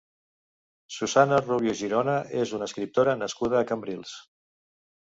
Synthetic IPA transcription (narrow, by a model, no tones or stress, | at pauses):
suzanəruβjuʒiɾonəezunəskɾip̚t̪oɾənəskuð̞əːkəmbɾilˠs